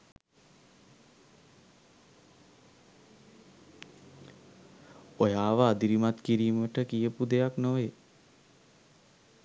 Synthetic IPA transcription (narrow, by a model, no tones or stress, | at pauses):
ojaːʋəad̪iɾimat̪kiɾiːməʈəkijəpud̪ejaknoʋe